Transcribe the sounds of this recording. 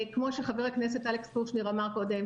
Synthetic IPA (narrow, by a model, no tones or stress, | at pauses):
kmo̞ʃeχaveʁaknes̬etalekspuʁʃniʁamaʁkodem